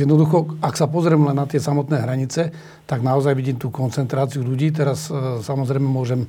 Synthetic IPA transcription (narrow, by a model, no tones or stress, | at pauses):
jɛd̪nɔd̪uxɔaksapɔzɾɛːmlɛnːat̪ɪɛsamɔt̪nɛːɦɾaɲit͡sɛ | t̪aɡnaɔzajʋiɟiːmt̪uːkɔnt͡sɛnt̪ɾaːt͡siuʎuɟiːt̪̬ɛɾassamɔzɾɛjmɛmʊɔʒɛm